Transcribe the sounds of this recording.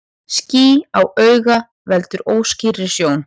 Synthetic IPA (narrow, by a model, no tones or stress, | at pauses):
sciːawœːɥɣa | vɛlt̪ʏɾoːwsciːɾɪ̥sjoːwn